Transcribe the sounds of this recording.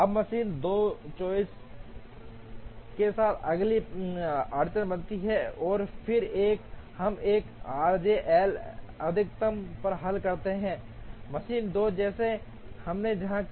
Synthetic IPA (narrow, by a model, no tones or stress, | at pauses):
ɐbmɐʃiːnd̪oːt͡ʃoːɪs | kesaːt̪ʰɐɡli | aːɾt͡ʃənbɐ̃nt̪iɦɛɔːɾpʰɪɾeːkhɐmeːkaːɾd͡ʒeʔɛːlɐd̪ʱɪk̚t̪əmpɐɾɦɐlkɐɾt̪eɦɛ̃ː | mɐsiːnd̪oːd͡ʒɛːse | hɐmned͡ʒɐɦã